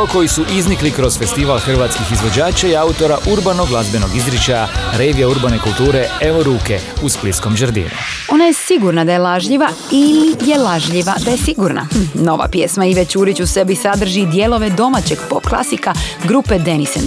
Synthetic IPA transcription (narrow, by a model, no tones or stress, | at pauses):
ko̞jisuʔizniklikɾo̞z̥fe̞st̪iʋalxr̩ʋaːt̪skixizʋo̞d͡ʑaːt͡ʃaiaut̪o̞ɾaʔuɾbanoɡlˠazbeno̞ɡizɾet͡ʃajaɾeʋijauɾbanekulˠt̪uːɾee̞ʋoɾuːkeusplit̪sko̞mʒəɾd̪ḭːnṵ | o̞najesiɡuɾnad̪aje̞laʒʎiʋa | ilije̞laʒʎiʋad̪ajesiɡuɾna̰no̞ʋa̰pjeːsmaiʋe̞t͡ɕuːɾit͡ɕuse̞bisad̪r̩ʒid̪jelo̞ʋe̞d̪o̞mat͡ɕeɡpo̞pklˠa̰sikaɡɾuped̪enisen